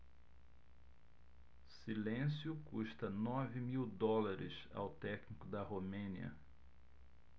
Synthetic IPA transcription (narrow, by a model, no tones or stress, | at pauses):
silẽsjʊkuʃt̪ɐnɔvɪmiwd̪ɔlaɾɪsa̰wt̪ɛknikʊd̪ɐɦomẽniɐ̰